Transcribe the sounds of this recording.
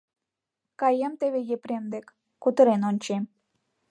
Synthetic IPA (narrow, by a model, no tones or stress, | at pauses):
kɑjemt̪eβejepɾʲemd̪ekː | ut̪ə̆ɾenonʲt͡ɕem